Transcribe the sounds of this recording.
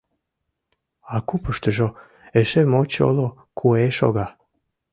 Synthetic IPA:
akupəʃt̪əʒo | eʃemot͡ɕo̰lo | kʰueʃo̰ɣa

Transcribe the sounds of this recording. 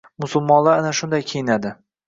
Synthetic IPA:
mʊsʊlˠmɒnlˠaanaʃʊnd̪ajkʲʰejɪnad̪ɪ

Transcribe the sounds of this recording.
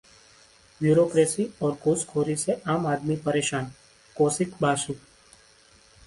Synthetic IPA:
bjuːɾoːkɾeːsiɔːɾkoːskʰoːɾiseʔaːmaːd̪mipɐɾeːʃaːn | koːsɪkbaːsuː

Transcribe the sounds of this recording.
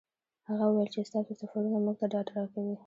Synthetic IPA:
haɣawuwajlt͡ʃest̪ɑsosafaɾunamuɡ̚t̪aɖɑʈaɾɑkawi

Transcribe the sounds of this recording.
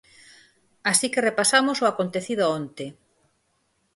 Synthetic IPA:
asikerepasamosoakont̪eθið̞ʊaont̪e

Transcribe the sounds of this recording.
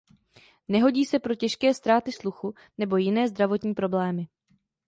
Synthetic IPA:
nɛɦo̞ɟiːsɛpɾo̞cɛʃkɛːst̪ɾaːt̪ɪsluxu | nɛbo̞jɪnɛːzd̪ɾavo̞t̪ɲiːpɾo̞blɛːmɪ

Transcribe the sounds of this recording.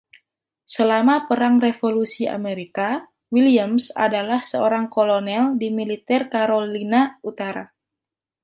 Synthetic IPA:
səlamapəɾaŋrefolusia̰meɾika | wiliəmsa̰dalahsəoɾaŋkolonɛldimilit̪ɛrkaɾolinaut̪aɾa̰

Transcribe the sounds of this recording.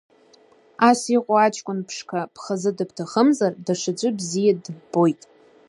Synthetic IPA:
asiqʷʼʊat͡ʃʰʼkʷʼʊnpʰʂkʰapʰχazɨdɨbtʰaχəmzardaʂad͡ʒʷʼɨbzijadbo̞jtʼ

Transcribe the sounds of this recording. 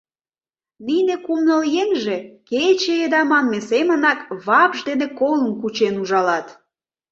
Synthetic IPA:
ninĕkumnəljenʒeket͡ɕeed̪ɑmɑnmesemə̆nɑkβɑpʒd̪enekolə̆mkut͡ɕenuʒɑlɑt̪

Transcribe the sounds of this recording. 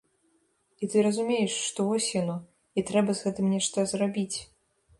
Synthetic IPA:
it̪ɨɾɐzumʲejɛʂːt̪ɔvɔsʲjanɔ | it̪ɾɛbɐzɣɛt̪ɨmnʲɛʂt̪ɐzrabʲit͡sʲ

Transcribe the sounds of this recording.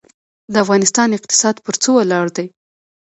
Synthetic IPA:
d̪əafɣɑnɪst̪ɑnɪq̚t̪ɪ̥sɑd̪pəɾt͡sowalɑɽd̪aj

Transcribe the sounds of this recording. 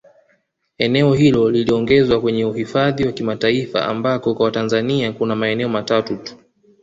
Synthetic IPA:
ɛnɛɔhilɔliliɔŋɡɛzwakwɛɲɛuhifaðiwakimataifa̰ʔa̰mbakɔkwawatanzaniakunamaɛnɛɔmatatutu̥

